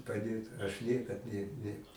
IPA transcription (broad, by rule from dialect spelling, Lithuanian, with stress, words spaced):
pɐˈdʲeːt ɐʃ ˈnʲiɛkɐt ˈnʲɛ ˈnʲɛ